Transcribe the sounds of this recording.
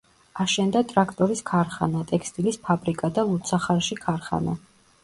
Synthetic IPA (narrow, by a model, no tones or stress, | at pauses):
aʃɛnd̪at̪ʼɾakʰt̪ʼɔɾiskʰaɾχanat̪ʼɛkʰst̪ʼilispʰabɾikʼad̪alˠut̪sʰaχaɾʃikʰaɾχa̰na̰